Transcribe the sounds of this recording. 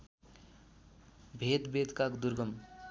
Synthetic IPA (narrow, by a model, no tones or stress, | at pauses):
bʱet̪bʱed̪kakd̪uɾɡʌm